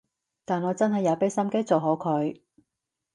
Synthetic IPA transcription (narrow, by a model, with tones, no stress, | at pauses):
t̪aː˨nɔː˨˧t͡sɐ˥nɦɐ˨˩jːɐː˨˧wpe˥sɐ˥mke˥jt͡so˨wɦo˨˥wkʰɵ˨˧˥ɥ